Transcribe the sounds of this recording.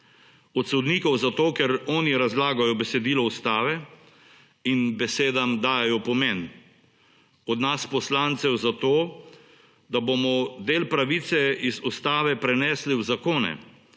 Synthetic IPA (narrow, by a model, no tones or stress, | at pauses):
ɔt̪sɔd̪niːkɔwzat̪oːkɛɾɔːniɾazlaːɡajɔbɛsɛd̪iːlɔust̪aːʋɛ | inbɛseːd̪amd̪aːjɛjɔpɔmen | ɔd̪naspɔslant̪sɛwzat̪oː | d̪abomɔd̪eːlpɾaʋit̪sɛizust̪aːʋɛpɾɛnɛsliwzakoːnɛ̰